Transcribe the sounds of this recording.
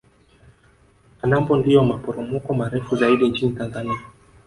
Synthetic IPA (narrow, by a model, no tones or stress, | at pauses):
anambɔndiɔmapɔɾɔmɔkɔmaɾɛfuzaiɗint͡ʃinitanzania